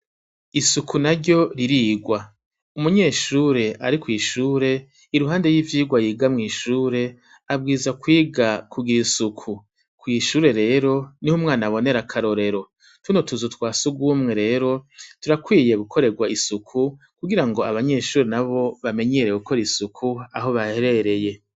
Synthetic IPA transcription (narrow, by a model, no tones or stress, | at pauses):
isukʰunaɾɟo̞ɾiɾiːɡwa | umuɲe̞ːʃuːɾe̞ʔaɾikwiːʃuːɾe̞ | iɾuɦaːnde̞ɾjiːvjiːɡwajiːɡamŋiːʃuːɾe̞ | abɡiːzakwiːɡakuɡiɾisukʰu | kwiːʃuːɾe̞ɾe̞ːɾo̞nihumŋaːnaβo̞ne̞ɾakʰaɾo̞ɾe̞ɾo̞ | twunotuzutwaːsuɡwuːmŋe̞ɾe̞ːɾo̞tuɾakwiːje̞ɡukʰo̞ɾe̞ɡwaisukʰu | kuɡiɾaŋɡo̞aβaɲe̞ʃuːɾe̞naβo̞βame̞ɲeɾe̞ɡukʰo̞ɾisukʰua̰ɦo̞βahe̞ɾe̞ɾe̞je̞